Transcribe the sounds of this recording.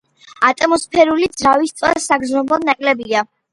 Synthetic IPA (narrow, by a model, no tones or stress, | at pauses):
at̪ʼɛmɔspʰɛɾulid̪z̥ɾavist̪sʼwasaɡznɔbɔnakʼlɛbia